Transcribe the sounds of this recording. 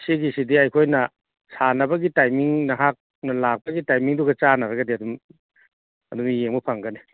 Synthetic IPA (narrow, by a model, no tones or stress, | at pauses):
siɡisidiɐjkʰojnɐ | sanɐbɐɡitajmiŋnɐɦak̚ | nɐlak̚pɐɡitajmiŋduɡɐt͡ʃanaɾɐɡɐdiɐdum | ɐdumijeŋmupʰaŋɡɐni